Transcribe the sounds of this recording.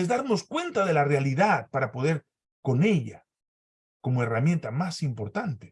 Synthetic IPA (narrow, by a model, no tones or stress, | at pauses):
ezðaɾno̞skwe̞nt̪aðe̞larealiðaðpaɾapo̞ðe̞ɾ | ko̞ne̞ʎa | ko̞moe̞ramjẽ̞nt̪amasimpo̞ɾt̪ant̪e